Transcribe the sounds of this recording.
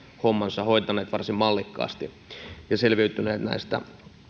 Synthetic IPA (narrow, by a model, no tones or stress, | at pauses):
homːɑnsɑhoit̪ɑneːt̪ʋɑrsimmɑlːikːɑ̰ːst̪i | jɑselʋiyt̪ːˑynḛːt̪næ̰ist̪æ̰